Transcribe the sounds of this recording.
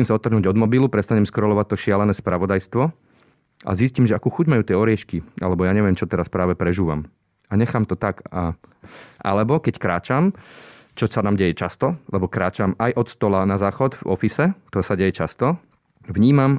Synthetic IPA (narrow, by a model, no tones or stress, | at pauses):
simsaɔt̪r̩ɦnuːɟɔd̪mɔbilupɾɛst̪aɲɛmskɾɔlɔʋac̚t̪ɔʃɪalɛnɛːspɾaʋɔd̪ajst̪ʋɔ | ʔa̰ziscimʒɛakuːxuɟmajuːt̪ɪɛɔɾɪɛʃkia̰lɛbɔjaːɲɛʋɪɛmt͡ʃɔt̪ɛɾaspɾaːʋɛpɾɛʒuːʋa̰m | aɲɛxaːmt̪ɔt̪aka | ʔa̰lɛbɔkɛckɾaːt͡ʃam | t͡ʃɔsanaːmɟɛjɛt͡ʃast̪ɔlɛbɔkɾaːt͡ʃamajʔɔt̪st̪ɔlanazaːxɔd̪vɔ̰fisɛt̪ɔsaɟɛjɛt͡ʃast̪ɔ | ʋɲiːmam